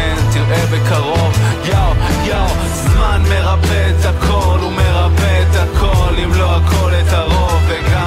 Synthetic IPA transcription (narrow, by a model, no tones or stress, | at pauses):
et̪iʁʔebekaʁo̞vjawjaw | zmanme̞ʁabet͡sakʰolumeʁabet͡sakʰolimlo̞ako̞let̪aʁo̞veɡa